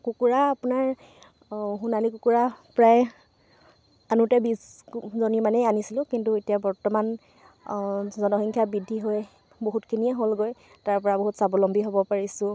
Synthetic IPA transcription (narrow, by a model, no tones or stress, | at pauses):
kukuɹaːpʊnaɹ | ɦʊnalikukuɹapɹaj | anutɛbiszonimanɛanisilʊ̃kintuetijabɔɹtɔman | zɔnɔxɔŋkʰjabɹidʱːiɦoj | boɦutkʰiniɛɦolɡoj | taɹpɔɹaboɦutsabɔlɔmbʱiɦobɔpaɹisʊ̃